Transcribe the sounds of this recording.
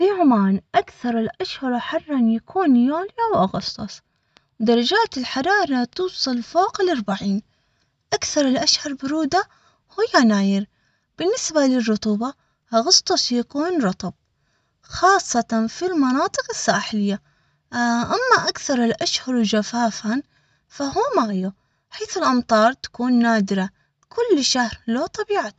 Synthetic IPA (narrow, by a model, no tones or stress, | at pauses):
fiʕʊmaːnʔakθɑɾˤɪlʔaʃhɑɾˤħɑrˤːɑnjakʰuːnjoːljawʔɑɣɑst̪ˤɑsˤ | wd̪ɑɾˤɑd͡ʒaːt̪ɪlħɑɾˤɑːɾˤɑt̪uːsˤɨlfoːqɪlʔɑɾˤbaʕiːn | ʔakθɑɾˤɪlʔaʃhɑɾˤbʊɾuːd̪a | hʊjːanaːjɪɾ | b̥ɪnːɪsbalɪrˤːʊt̪ˤuːbɑ | hɣɑsˤt̪ˤɑsjakuːnɾˤʊt̪ˤɑb̚ | xɑːsˤːɑt̪ˤɑnfilmɑnɑːt̪ˤɨqɪsːaːħɪjːa | ʔamːaʔakθɑɾˤɪlʔaʃhɑɾˤwd͡ʒafaːfan | fahuːmaju | ħeːθɪlʔɑmt̪ˤɑːɾˤt̪ḁkuːnːaːd̪ɪɾa | kʊlːʃahɾlat̪ˤɑbiːʕat̪